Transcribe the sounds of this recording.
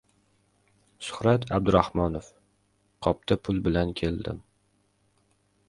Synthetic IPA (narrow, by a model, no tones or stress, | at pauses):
sʊ̥hɾat̪ʰab̚d̪ʊɾahmɒnof | qʰɒp̚t̪ʰapʰʊlˠbɪlankʲʰe̞ld̪ɪ̰m